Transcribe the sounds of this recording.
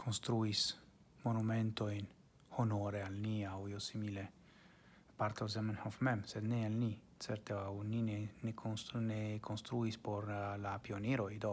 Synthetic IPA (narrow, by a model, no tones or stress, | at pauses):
kʰonst̪ɾuis | monument̪oin | honoɾealniawjosimile | paɾt̪ozemanhofmɛmsed̪nealni | sɛɾt̪eawnineneksnekʰonst̪ɾuispoɾlapioneɾoid̪o